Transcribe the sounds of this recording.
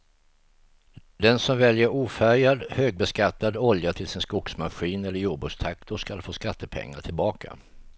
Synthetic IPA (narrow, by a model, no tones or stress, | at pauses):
d̪ɛnsɔmvɛljəɾuːfæɾjad̪høːɡ̚bɛskat̪ːad̪ɔljat̪ʰɪlsɪnskʊksmaɧiːnɛlːəjuːɖbʉːst̪ʰakt̪ʰʊʂkalfoːskat̪ʰːəpʰɛ̰ŋːa̰ʈʰɪlbɑːkʰa̰